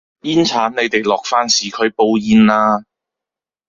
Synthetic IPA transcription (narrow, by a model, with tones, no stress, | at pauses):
jiː˥nt͡sʰaː˨˥nne˨˧jt̪e˨˩jlɔː˨k̚faː˥nsiː˨kʰɵ˨˧ɥpo˧wjiː˧nlaː˧